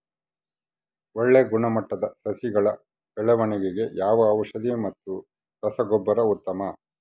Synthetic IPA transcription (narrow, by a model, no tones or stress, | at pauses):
ɔɭːeːɡuɳɐmɐʈːɐd̪ɐsɐsiɡɐɭɐ | b̥ɛɭɛʋɐɳiɡeɡe̞jaːʋɐːʋɐʂɐd̪imɐt̪ːu | kɐsɐɡɔbːɐɾɐut̪ːɐmɐ